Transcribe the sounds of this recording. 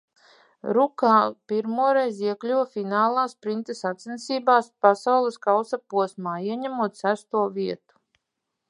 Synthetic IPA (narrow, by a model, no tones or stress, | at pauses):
ɾukaːpiɾmuɔɾɛjziɛklʲuwfinaːlˠaːspɾint̪esat̪sʲinsʲiːbaːspasawlˠeskawsapuɔsmaːiɛɲæmuɔt̪sæst̪uɔvʲiɛt̪u̥